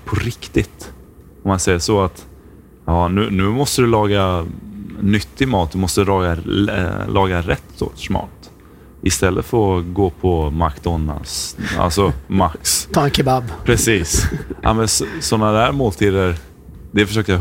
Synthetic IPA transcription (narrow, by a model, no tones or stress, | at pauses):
pʰɔɾɪkt̪ɪt̪ | ɔmːansɛjːəʂɔat̪ | jɑːnʉ̟nʉ̟ːmɔst̪əd̪ɵlɑːɡa | nʏt̪ʰːɪmɑːt̪̚d̪ɵmɔst̪əd̪lɑːɡa | lʔɑːɡaɾɛt̪ːɔ̰t̪ʂmɑ̰ːt̪ | ɪst̪ɛlːət̪fœɾɔɡoːpʰɔmakt̪ɔnd̪a̰nsa̰lsɔma̰kst̪ʰɑːɛnkʰɛbabpʰɾɛsiːsa̰mɛnssɔnːad̪æɾmoːlt̪ʰiːd̪əɾ | d̪ɛfœʂøːkəja